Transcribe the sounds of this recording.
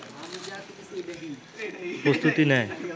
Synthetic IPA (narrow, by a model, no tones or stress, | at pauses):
post̪ut̪inɛe